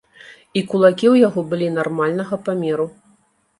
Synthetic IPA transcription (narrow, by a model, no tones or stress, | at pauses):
ikulˠakʲiwjaɣɔbɨlʲinarmalʲnɐɣɐpamʲɛɾu